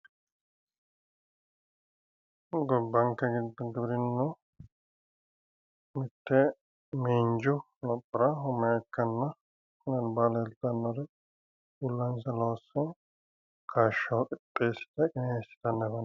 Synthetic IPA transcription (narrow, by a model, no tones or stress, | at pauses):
ɡɔbːɐŋkːɛɡɪd̪ɔɡɪbɾɪnːʊ | mɪt̪ːɛ | meːɲd͡ʒʊ | lɔpʼːɪɾɐɦʊmːɛɐkːɐnːɐ | kʊnɐnbaːlɐːlt̪ɐnːɔɾɛ | ʊlːɐnsɐloːsɔ | kʰaːʃɐkʼɪpʼːeːsɪ̥t̪ɐkʼɪneːsːɪ̥t̪ɐnːɐbɐn